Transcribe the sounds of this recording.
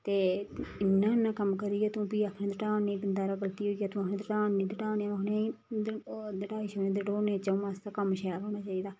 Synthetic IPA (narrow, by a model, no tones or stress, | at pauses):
t̪eːɪnːãːnãːkəmkəɾiːjaːt̪ũːpiːakʰnẽːd̪əʈaːneːbənd̪aːɾaːɡəlt̪iːɦoːijaːt̪ũːəkʰnẽːd̪əʈãːnːĩːd̪əʈãːneaəkʰnẽ | d̪əʈaːiʃoːnẽːd̪əʈoːneːt͡ʃə̃ːmãːst̪aːkəmʃaːalɦoːnaːt͡ʃaːiːd̪aː